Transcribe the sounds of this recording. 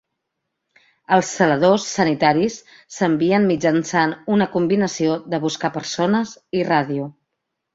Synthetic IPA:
əlˠsːələð̞osːənit̪aɾisː | əmbiənmid͡ʒənsanunəkumbinəsioðəβuskapəɾsonəziraðiu

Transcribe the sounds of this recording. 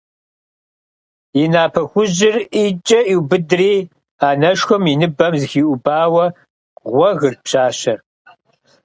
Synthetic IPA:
inaːpʰɐxʷʊʑɪriːt͡ʃʼɐʔiwbɨdriː | aːnɐʃxʷɔminɨbɐmzɨxiːʔʷʊbaːwɐ | ʁʷɔɣɨrpɕaːɕɐr

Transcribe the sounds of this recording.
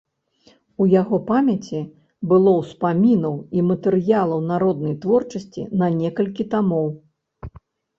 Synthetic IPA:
ujaɣɔpamʲɐt͡sʲi | bɨlˠɔwspamʲinɐwimɐt̪ɛɾɨjalˠɐwnaɾɔd̪nɐjt̪vɔrt͡ʂɐsʲt͡sʲḭnɐnʲɛkɐlʲkʲit̪amɔw

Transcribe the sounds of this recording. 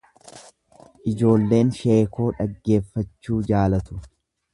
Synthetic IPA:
ʔɪd͡ʒo̞ːlːe̞ːnʃe̞ːkʰo̞ːᶑɐɡːe̞ːfːɐt͡ʃːuːd͡ʒaːlɐt̪ʊ̥

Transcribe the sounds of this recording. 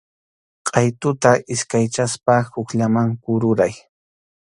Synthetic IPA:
qʼɑjt̪ʊt̪aʔɪskajt͡ʃaspahʊkʎamaŋkʊɾʊɾaj

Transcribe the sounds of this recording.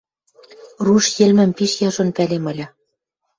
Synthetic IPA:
ruʃjĕlmɘ̆mpiʃjɑʒŏnpælemɤ̆lʲɑ

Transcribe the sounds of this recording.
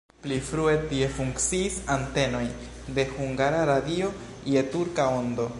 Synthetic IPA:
plifɾue̞tie̞fuŋkt͡siːsante̞no̞j | de̞huŋɡaɾaɾadio̞ | jetuɾkao̞ndo̞

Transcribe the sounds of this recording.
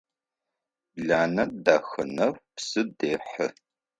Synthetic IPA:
ɮaːnɐdaxɐnɐwpsɨdeːħə

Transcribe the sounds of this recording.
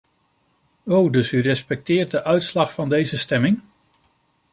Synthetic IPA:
owdɵsyrɛspɛk̚tɪːɹt̚dəʔœɥtslɑχfɑndejzəstɛmɪŋ

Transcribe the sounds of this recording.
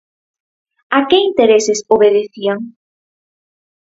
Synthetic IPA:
akɪint̪eɾesɪsoβeðeθiaŋ

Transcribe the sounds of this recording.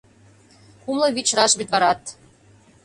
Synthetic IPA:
kumlˠɤ̆βit͡ɕrɑʃbit̪βɑɾɑt̪

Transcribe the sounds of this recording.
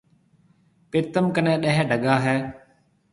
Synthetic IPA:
pɪt̪əmkənẽːɗəɦɖʱəɠaːɦɛː

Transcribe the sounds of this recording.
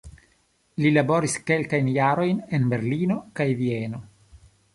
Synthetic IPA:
lilabo̞ɾiske̞lkajnjaɾo̞jnenbe̞ɾlino̞kajvieno̞

